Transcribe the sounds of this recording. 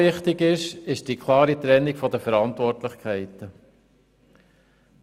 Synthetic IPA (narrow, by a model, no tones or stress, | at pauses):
ɪχtɪɡɪʃɪʃd̥ikʰlˠɑːɾit̪ɾɛnːikfɔdəfəɾɑnt̪ʋɔrtlɪχkʰχɛɪt̪ə